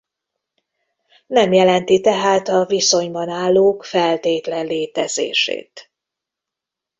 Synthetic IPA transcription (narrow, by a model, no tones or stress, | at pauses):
nɛmjɛlɛnt̪it̪ɛɦaːt̪ɒviso̞ɲbɒnaːlːoːkfɛlt̪eːt̪lɛnleːt̪ɛzḛːʃḛːt̪